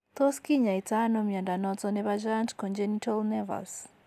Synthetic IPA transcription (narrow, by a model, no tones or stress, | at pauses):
t̪ɔskiɲaitanɔmiandanɔt͡sɔnɛβad͡ʒantkɔnd͡ʒɛnitʰalnɛva̰ls